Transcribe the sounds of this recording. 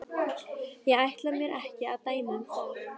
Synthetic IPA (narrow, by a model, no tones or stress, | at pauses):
jɛɣajht̪lamjɛɾʔɛhcɪaðt̪aːjmʏm